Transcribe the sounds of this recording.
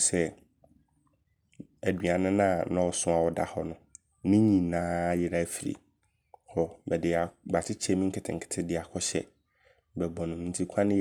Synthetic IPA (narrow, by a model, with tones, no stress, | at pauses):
sɛ˦ | æ˨dɥa˨nʊ̃˦nã˦˨nɔ̃˦wsʊ̃˦a˨wɔ˨da̰˨hɔ˦nʊ̃˨ | nɪ̃˦ɲĩ˨nãː˦jɪ˨ɾa˦fi˨ɾḭ˨ | hɔ˨bɛ˨dɪ˨a˨ba˨tʰɪ˦t͡ɕʰɛ˦mĩ˦ŋ̩˦kʰɪ˨tʰɪ̰̃˨ŋ̩˨kʰɪ̥˨tʰɪ˦dɪ˨a˨kʰɔ˦ɕɛ̰˦˨ | bɛ˨bɔ̃˨nʊ̃˨˦n̩˦tʰi˦kʷʰã˦nɪ̃˦